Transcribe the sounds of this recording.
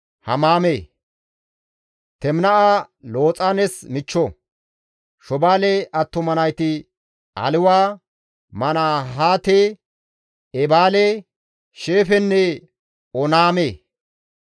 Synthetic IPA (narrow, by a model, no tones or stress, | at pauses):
hɐ̰maːmeː | t̪ɛmnɐʔa | lo̞ːt͡sʼanɛsmɪt͡ʃːɔ | ʃɔbaːlɛʔɐt̪ːʊmɐnɐjt̪ɪ | ɐ̰lɪwaː | mɐnaːɦaːt̪e | ɛbaːle | ʃeːfɛnːɛ | ɔnaːmeː